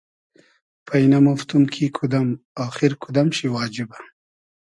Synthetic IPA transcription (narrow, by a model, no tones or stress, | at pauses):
pʰainamaft̪umkʰikʰud̪amɑːxɪɾkʰud̪amʃiwɑːd͡ʒɪba